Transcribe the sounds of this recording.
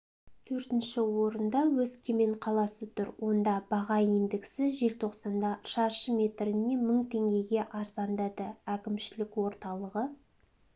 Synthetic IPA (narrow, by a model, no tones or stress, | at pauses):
t̪ʰɵɾt̪ɪnʃɪwo̞ɾənd̪ɑwɵzkʲʰemeɴqʰɑlˠɑsət̪ʰʊɾwʔo̞nd̪ɑbɑʁɑind̪ɪkʲsɪʒe̞lt̪ʰo̞qsɑnd̪ɑʃɑɾʃəmʲe̞t̪ɾɪnːe̞məɴt̪ʰe̞ŋɡʲe̞ɡʲe̞ʔɑɾzɑnd̪ɑd̪əækʲɪmʃɪlɪkwo̞ɾt̪ɑlˠəʁə